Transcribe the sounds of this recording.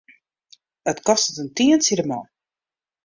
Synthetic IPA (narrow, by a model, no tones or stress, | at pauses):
ətkɔstətəntiənsiɾəmɔn